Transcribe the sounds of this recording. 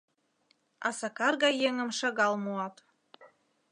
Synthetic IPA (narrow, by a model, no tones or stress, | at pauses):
ɑ̰sɑkɑrɣɑjeŋə̆mʃɤ̆ɣɑlˠmuɑt̪